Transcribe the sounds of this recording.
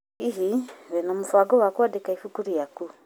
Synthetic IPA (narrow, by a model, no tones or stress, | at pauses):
iɦiβɛnɔmufwaɡɔwakwadekaifukuɾijaku